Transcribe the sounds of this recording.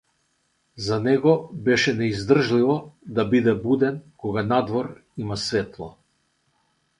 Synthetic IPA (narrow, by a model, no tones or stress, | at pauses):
zanɛɡɔbɛʃɛnɛizd̪r̩ʒlivɔd̪abid̪ɛbud̪ɛnkɔɡanad̪vɔɾimasvɛt̪lˠa